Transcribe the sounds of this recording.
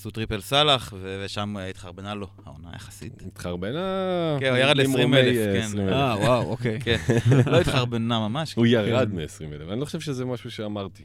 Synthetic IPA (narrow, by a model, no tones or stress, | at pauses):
sut̪ʁipelsalaχveveʃamit̪χaʁbenalo̞ha̰ona̰jaχḁsḭtit̪χaʁbenakenujaʁad̪lesʁimelefkensʁimeawawokejkenlo̞it̪χaʁbenamamaʃkujaʁad̪miesʁimelefanilo̞χoʃevʃezemaʃuʃeamaʁt̪i̥